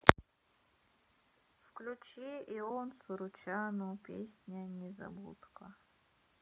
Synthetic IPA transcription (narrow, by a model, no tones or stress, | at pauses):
fklʲut͡ʃiiɔnsʊɾʊt͡ɕanupʲḛsʲnʲənʲɛzɐ̰bṵt̪kə